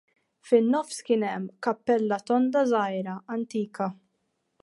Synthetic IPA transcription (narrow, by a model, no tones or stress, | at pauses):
fɪnːɔfskɪnɛmːkɐpːɛlːɐt̪ɔnd̪ɐzɐjɾɐɐnt̪iːkɐ